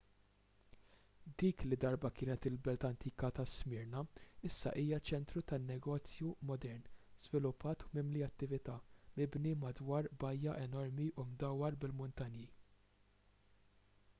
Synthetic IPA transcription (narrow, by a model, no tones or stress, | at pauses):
d̪iːklid̪ɐɾbɐkɪːnɛt̪ɪlbɛlt̪ɐnt̪iːkɐt̪ɐsmɪɾnɐɪsːɐ̰ʔiːjɐt͡ʃɛnt̪ɾut̪ɐnːɛɡɔːt͡sjumɔd̪ɛɾnz̥vɪlʊpːɐːt̪umɪmliɐt̪ːɪvɪt̪ɐːmɪbnimɐd̪wɐːɾbɐjːɐʔɛnɔɾmiʔʊmd̪ɐwːɐɾbɪlmʊnt̪ɐnji